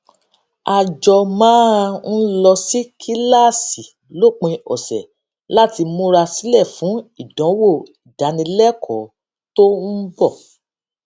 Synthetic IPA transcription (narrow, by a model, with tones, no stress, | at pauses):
a˨d͡ʒɔ˧mãː˦˧n̩˦lɔ˧si˦kʰi˦la˦˨si˨ | lo˦˨k͡pĩ˧ɔ˨sɛ̰˨ | la˦ti˧mũ˦ɾa˧si˨˦lɛ˦˨fũ˨˦i˨dɔ̃˨˦wo˦˨i˨da˨˦nĩ˧lɛ˦kʰɔ˨˦ | to˦n̩˦bɔ˦˨